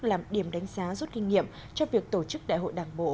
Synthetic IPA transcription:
laː˨˩mɗi˧˩əmɗa˨˦jŋ̟zaː˨˦zu˦˥t̚kï˧ŋ̟ŋːḭ˧˨əm | t͡ɕɔ˧vi˨˩ək̚t̪o˧˩t͡ɕɨ˦˥k̚ɗa̰ː˧˨jho̰˧˨jɗaː˨˩ŋɓo̰˧˨

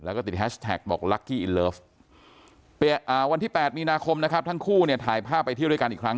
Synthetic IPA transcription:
lɛː˦˥wkɔː˥˩t̪i˨˩t̪̚hɛː˦˥˩t̪ʰɛ̰ː˨˩k̚bɔ̰ː˨˩k̚la˦˥kːiː˥˩ʔi˧lɤː˦˥f | pi˨˩ət̪ʔaː˨˩wa˧nt̪ʰiː˥˩pɛː˨˩t̪̚miː˧naː˧kʰo˧mna˦˥kʰa˦˥p̚t̪ʰa˦˥ŋkʰuː˥˩ni˥˩ɐt̪ʰaː˩˦jpʰaː˥˩pːa˧j̪ʰiː˥˩ɾu˥˩˨ka˧nʔiː˨˩kʰɾa˦˥ŋ

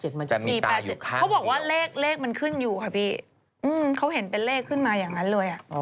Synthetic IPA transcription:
t͡ɕe˨˩t̪̚ma˧t͡ɕa˨miː˨˩aː˧˩t͡ɕe˨˩t̪kʰa˦˥wbɔː˨˩k̚waː˥˩leː˥˩k̚leː˥˩k̚ma˧nkʰɯ˥˩njuː˨˩kʰa˧˥˩pʰiː˥˩ | ʔɯː˧mkʰa˦˥wɦe˩˦npe˧nleː˥˩kʰːɯ˥˩nmaː˧jaː˨˩ŋːa˦˥nlɤː˧jʔa˨˩ʔ

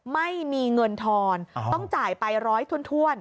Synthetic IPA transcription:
ma˥˩jmiː˧ŋɤ˧nt̪ʰɔː˧nt̪ɔ˥˩ŋt͡ɕaː˨˩jpa˧jɾɔː˦˥jt̪ʰu˥˩ənt̪ʰu˥˩ən

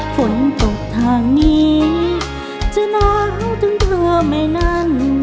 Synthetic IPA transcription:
fo˨˦nt̪o˨˩k̚t̪ʰaː˧ŋniː˦˥ | t͡ɕa˧naː˧nu˧˩t̪ʰɯ˨˦ŋt̪ʰlɯ˧ma˧˥˩jna˥˩n

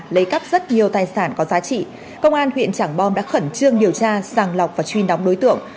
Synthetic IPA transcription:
lə˨˦jkaː˦˥k̚zə˦˥t̚ɲi˨˩əwt̪aː˨˩jsaː˧˩nkɔ˨˦zaː˨˦t͡ɕḭ˧˨ | kə˧wŋ͡mʔaː˧nhwḭ˧˨ənt͡ɕaː˧˩ŋɓɔ˧mɗa̰ː˧˥xə˧˩nt͡ɕɨ˧əŋɗi˨˩əwt͡ɕaː˧zaː˨˧˩ŋla˨˩k͡p̚vaː˨˩t͡ɕwi˧˩nɗa˨˦wŋ͡mɗo˨˦jt̪ɨ̰˧˨əŋ

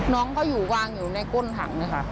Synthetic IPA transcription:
nɔː˦˥ŋkʰa˦˥˩wjuː˨˩waː˧ŋjuː˨˩na˧jko˥˨nt̪ʰa̰˩˦ŋna˧˥˩kʰa˦˥˩

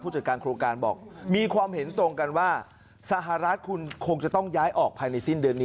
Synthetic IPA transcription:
uː˥˩t͡ɕaː˨˩kaː˧nkʰɾoː˧ŋkaː˧nbɔ̰ː˨˩k̚miː˧kʰwaː˧mɦe˩˦nt̪ɾo˧ŋka˧nwaː˥˩ | sa˧ɦa˧ɾa˦˥t̪̚kʰu˧nkʰo˧ŋt͡ɕa˨˩t̪ɔ˥˩ŋjaː˦˥jʔɔː˨˩k̚pʰaː˧jna˧jsi˥˩ndɯ˧ənːiː˦

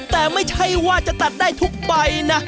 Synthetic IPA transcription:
t̪ɛː˨˩ma˥˩jt͡ɕʰa˧˥jwaː˥˩t͡ɕa˨˩t̪a˨˩t̪̚daː˥˩jt̪ʰu˦˥k̚ɓa˧jna˦˥

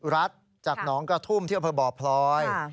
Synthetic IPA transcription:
ɾa˦˥t̪̚ | t͡ɕaː˨˩k̚nɔː˩˦ŋkɾa˧t̪ʰuː˥˩mt̪i˥˩˨pʰɤː˧bɔː˨˩pʰlɔː˦˥j

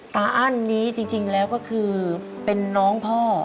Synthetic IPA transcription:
t̪aː˧ʔaː˥˩˨nːiː˦˥t͡ɕi˧ŋt͡ɕi˧ŋlɛː˦˥wkɔː˥˩kʰɯː˧ | pe˧nːɔː˦˥ŋpʰɔː˥˩

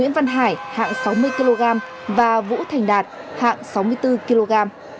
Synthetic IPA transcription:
ḭ˧˥ənvə˧nɦaː˧˩jha̰ː˧˨ŋsa˨˦wmɨ˧əjki˧lo˧ɣaː˧m | vaː˨˩vṵ˧˥t̪ʰa˨˩jŋ̟ɗaː˨˩t̚ | ha̰ː˧˨ŋsa˨˦wmɨ˧əjt̪ɨ˧ki˧lo˧ɣaː˧m

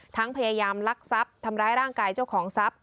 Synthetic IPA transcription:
t̪ʰa˦˥ŋpʰa˧jaː˧jaː˧mla˦˥k̚sa˦˥p̚t̪ʰa˧mɾaː˧˥jɾaː˥˩ŋkaː˧jt͡ɕa˥˩wkʰɔː˩˦ŋsa˦˥p̚

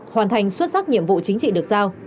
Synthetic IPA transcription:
hwaː˨˩nt̪ʰa˨˩jŋ̟swt̚sa˦˥k̚ɲḭ˧˨əmvṵ˧˨t͡ɕï˨˦ŋ̟t͡ɕḭ˧˨ɗɨ˨˩ək̚zaː˧w

